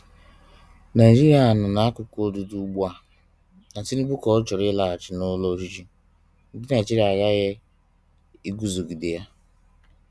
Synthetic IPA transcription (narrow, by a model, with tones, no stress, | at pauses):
na˨i˨d͡ʒi˦ɾi˦˨˦a˨nʊ˨na˨˦a˦kʊ˨ko˦du˨du˦ɡ͡ba˦˨ | na˨ti˦ni˦ɡ͡bu˦kɔ˨ʊ˦t͡ʃɔ˨ɾɪ˦la˦a˨t͡ʃɪ˨nʊ˦lo˦ʃi˦t͡ʃi˦ | n̩˨˦dɪ˦na˨t͡ʃi˦ɾa˨ɣa˦ɣɪ˦ | i˦ɡu˦zo˨ɡi˨di˨ja˦